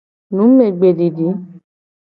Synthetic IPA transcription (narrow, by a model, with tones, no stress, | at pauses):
nũ˨˦me˨ɡ͡be˨di˨di˨˦